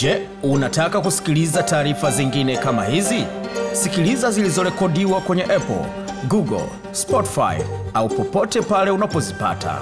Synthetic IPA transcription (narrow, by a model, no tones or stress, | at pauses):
d͡ʒɛ | unatakakusi̥kilizataːɾifaziŋɡinɛkama̰hizisikilizazilizɔɾɛkɔɗiwakwɛɲɛʔɛpɔ̰l | ɡuɡɔ̰l | spɔti̥fa̰jaupɔpɔtɛpalɛunapɔzipa̰tʰa̰